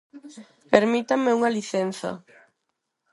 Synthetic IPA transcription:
peɾmit̪ameuŋaliθen̟θa̰

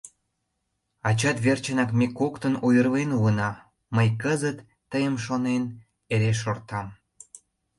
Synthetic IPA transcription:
ɑt͡ɕɑt̪βert͡ɕənɑkmekokt̪ənujərlenuənɑ | məjkəzət̪ːəjəmʃonen | eɾeʃ̬ort̪ɑm

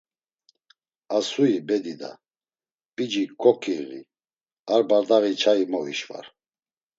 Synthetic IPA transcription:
asuibɛd̪id̪a̰ | pʼid͡ʒikʰɔkʰʼiɣḭ | aɾbaɾd̪aɣit͡ʃʰaimɔiʃva̰ɾ

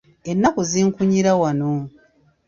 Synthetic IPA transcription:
enːakuziːŋkuɲiɾawano

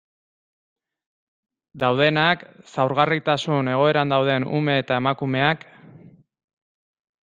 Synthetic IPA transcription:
d̪awð̞e̞naksawɾɣarit̪asune̞ɣ̞o̞e̞ɾand̪awð̞e̞nṵme̞ːt̪ae̞makume̞ak

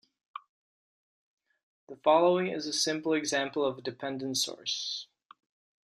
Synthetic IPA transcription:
ðəfɑlˠoʊɪ̃ŋɪzɨsɪ̃mpl̩ˠɨɡzæ̃mpl̩ˠʌvdɨpʰɛ̃ndɨ̃n̩tsɔ̰ɹs

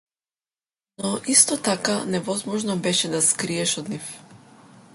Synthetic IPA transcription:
nɔʔist̪ɔt̪akanɛvɔzmɔʒnɔbɛʃɛd̪askɾiɛʃɔd̪nif

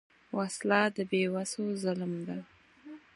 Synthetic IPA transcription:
waslɑd̪əbewasozəlmd̪a

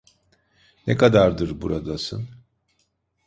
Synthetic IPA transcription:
nekʰad̪aɾd̪ɯɾbuɾad̪asɯn

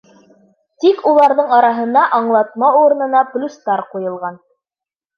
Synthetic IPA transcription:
t̪ikulˠɑɾðɤɴɑɾɑɦɤ̆nɑʔɑɴlˠɑt̪̚mɑuɾɤ̆nɤ̆nɑplʲust̪ɑɾqujɤ̆lˠʁɑn

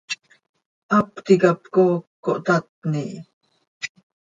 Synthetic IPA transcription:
ʔɑpt̪ikɑpkoːkːoʔt̪at̪̚niʔ

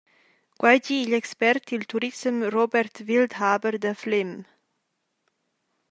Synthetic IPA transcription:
ɡ̥wajd͡ʒiːʎɛkspɛɾt̪ʰːilt̪ʰuɾisəmrobɛɾt̪vild̪haːbəɾd̪əflem

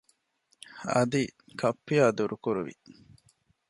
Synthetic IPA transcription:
ɐ̰d̪i | kʰɐpːijaːd̪uɾukuɾuʋḭ

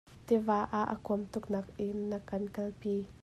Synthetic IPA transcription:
t̪ivaːʔaʔə̰kuəmt̪ʊknak̚ʔiːɐkɐnkɐlpi

